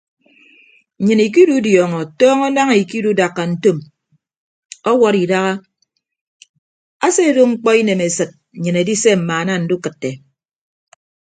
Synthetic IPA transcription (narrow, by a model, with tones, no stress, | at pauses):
ɲɨ˨ni˨k̬i˦du˦djɔː˨ŋɔ˨tɔː˦ŋɔ˦na˦ŋ˨i˨ki˦du˦da˨kːa˨n̩˦to˦m | ɔ˦wɔ˦ɾi˨da˦ɣa˦ | a˦se˦˨ɾo˦ŋ͡m̩˦k͡pɔ˦i˦ne˨me˨sɨ˨t̚ | ɲ̩˨ɲɨ˨ne˨di˦se˦m̩˨maː˨na˦n̩˨˦du˦kɨ˨tːe˨